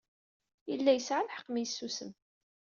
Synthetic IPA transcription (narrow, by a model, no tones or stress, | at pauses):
jəlːæjəsʕalħə̥qːmijəsːusəm